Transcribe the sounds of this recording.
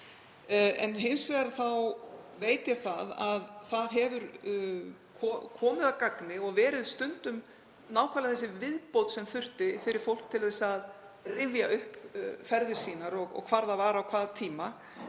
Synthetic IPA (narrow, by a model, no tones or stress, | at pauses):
ɛ̰nɦɪnsvɛɣaɾθawveːjt̪jɛθaðaðθaðɦɛvʏɾ | kʰɔkʰɔːmɪðawkaknɪɔɣvɛːɾɪðst̪ʏnt̪ʏm | naːwkʰvaːlaθɛsːɪvɪðpowt̪sɛmθʏr̥t̪ɪfɪɾɪɾ̥fowl̥k̚t̪ʰɪlθɛsað | rɪvjaʏhpfɛɾðɪɾ̥siːnaɾɔɣɔ̰ɣkʰv̥aɾðavaːɾawkʰvaːðt̪ʰiːma